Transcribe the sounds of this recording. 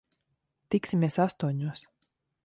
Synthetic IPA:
t̪iksʲimʲeɛsast̪uɔɲuɔs

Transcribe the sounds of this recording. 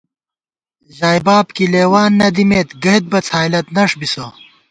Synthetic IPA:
ʑaːjbaːbkileːwaːnːɐd̪imeːt̪ɡɐɦit̪̚bɐt͡sʰaːjlɐt̪nɐʂbiso

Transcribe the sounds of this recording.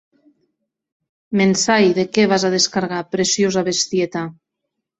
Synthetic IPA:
mensajðekɛβazaðeskaɾɣ̞apɾesjozaβest̪jet̪a

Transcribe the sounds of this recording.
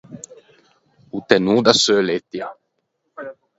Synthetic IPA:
ut̪enud̪asølet̪ja

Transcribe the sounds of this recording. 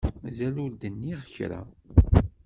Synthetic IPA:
zæluɾd̪ənːiʁəçɾa̰

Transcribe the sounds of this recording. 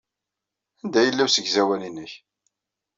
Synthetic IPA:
ænd̪æjəlːæwsəɡzæwælinːəç

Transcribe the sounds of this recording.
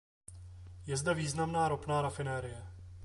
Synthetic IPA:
jɛzdɛviːznamnaːɾopnaːɾafɪnɛːɾɪjɛ

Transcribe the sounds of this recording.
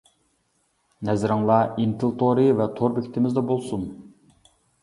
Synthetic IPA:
nɛzɪɾɪŋlˠɑint̪ʰɨlˠt̪ʰoɾɨvɛt̪ʰoɾbɪkʲt̪ʰɪmɪzd̪ɑbolˠsun

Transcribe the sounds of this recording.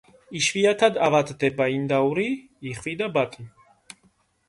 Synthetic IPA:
iʃviat̪ʰad̪avat̪ʼd̪ɛbaind̪auɾiː | χvid̪abat̪ʼi

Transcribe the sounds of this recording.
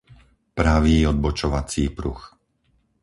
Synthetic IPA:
pɾaʋiːɔd̪̚bɔt͡ʃɔʋat͡siːpɾṵx

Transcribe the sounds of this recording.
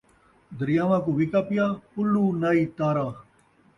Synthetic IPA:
d̪əɾijaːʋãːkuʋikaːpijaːpʊluːnaːiːt̪aːɾaː

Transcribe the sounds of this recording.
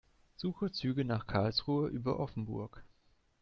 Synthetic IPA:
z̥uːxət͡syːɡənaːχkʰaɐlsʁuːəʔyːbɐ̰ʔɔfn̩bʊɐk

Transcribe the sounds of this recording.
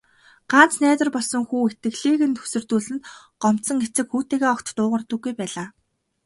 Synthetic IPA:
ɢ̥an̥t͡snæːt̪ə̆rpɔɮsɞ̆ŋxuːet̪ɘ̆ɣɮiːɣɘ̆nt̪ʰɵ̥sɵ̆rt̪uːɮɘ̆nt̪ | ɢɔm̥t̪sɞ̆ŋet͡sɘ̆kxuːt̪eːɣeːɔkt̪t̪ʊːʁə̆rt̪ɞ̆ɡːujpæːɮaː

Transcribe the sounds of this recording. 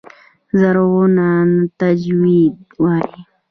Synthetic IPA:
zaɾɣonant̪ad͡ʒwid̪waɾi

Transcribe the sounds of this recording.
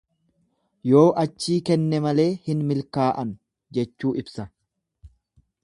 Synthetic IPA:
jo̞ːʔɐt͡ʃːiːkɛnːɛmɐle̞ːhɪnmɪlkaːʔɐn | d͡ʒɛt͡ʃːuːʔɪbsɐ

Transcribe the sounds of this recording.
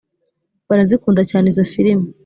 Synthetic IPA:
βaɾazikuːndacaːneizo̞fiɾimu

